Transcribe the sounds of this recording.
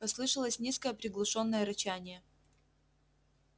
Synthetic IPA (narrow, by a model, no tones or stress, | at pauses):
ɐslˠɨʂəlˠəsʲnʲiskəjəpɾʲɪɡlˠʊʂo̞nːəjəɾɐt͡ɕænʲɪjə